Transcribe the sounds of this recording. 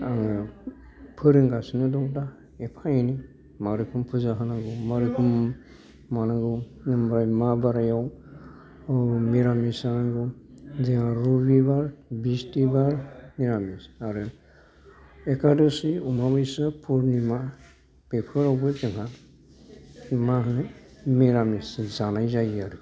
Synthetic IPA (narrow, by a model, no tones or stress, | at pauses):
aŋ | pʰɯɾɯŋɡasinɯdɔŋda | epʰaini | maɾɯkʰɯmpʰuzaɦanaɡɯwmaɾɯkʰɯm | manaɡɯw | nɯmɾajmabaɾajaw | miɾamisaŋɡɯwziaɾubibaɾbistibaɾmiɾamisaɾɯ | ekadosiumabajsapʰuɾnima | pepʰɔɾabutɛŋa | maɦnemiɾamiszanajzajaɾu